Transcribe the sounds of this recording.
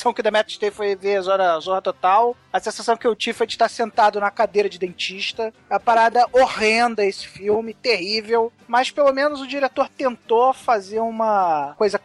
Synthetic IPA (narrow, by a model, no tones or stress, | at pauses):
sɐ̃w̃kɪd̪ɐmɛt̪ʃt̪efojveɐzɔɾɐzɔhɐt̪ot̪aw | ɐsẽsasɐ̃w̃kɪewt͡ʃivɪfojd͡ʒɪʃt̪aɾsẽnt̪ad̪ʊnɐkad̪ejɾɐd͡ʒɪd̪ẽnt͡ʃiʃt̪ɐɐpaɾad̪ɐʔohẽnd̪ɐesɪ̥fiwmɪt̪eɦivew | mɐspelomẽnʊzʊd͡ʒiɾet̪oɾt̪ẽnt̪ofazeɾũmɐkojzɐ